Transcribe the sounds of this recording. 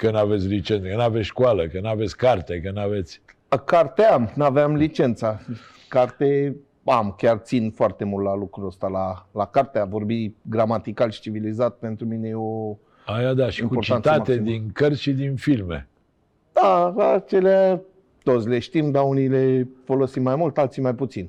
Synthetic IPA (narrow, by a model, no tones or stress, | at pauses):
kənave̞t̪sʲlit͡ʃent̪əkənavesʲʃkualəkənavet̪sʲkart̪ekənave̞t̪sʲ | kart̪eamnaveamlit͡ʃe̞nt̪sa | kart̪e | amkʲart̪sinfoart̪e̞mult̪lalukɾuəst̪alalakart̪eavo̞rbiɡɾamat̪ikalʃi̥t͡ʃivilizat̪̚pe̞nt̪ɾumine̞jeo | ajad̪aʃiimkuott͡ʃ̪ant̪aat̪ed̪inkərsʃid̪infilmḛ | d̪̥alat͡ʃe̞lea | t̪o̞t̪sle̞ʃt̪imd̪aunile̞fo̞lo̞simːajmult̪alt̪simajput̪sin